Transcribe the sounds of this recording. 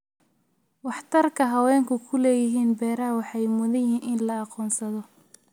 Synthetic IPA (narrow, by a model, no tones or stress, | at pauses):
wɑħt̪ʰɐrkʰɐɦɐwɛːŋkʰʊkʰʊlɛːjɪɦiːnbɛːɾɐɦɐwɑħɑjmʊðɐjɪɦiːnʔɪnlɐɑqɔːnsɐðɔ